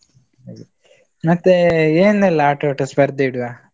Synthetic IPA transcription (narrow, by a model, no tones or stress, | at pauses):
mɐt̪ːeeːnɛlːɐaːʈoʈɐsbɐɾd̪iɽua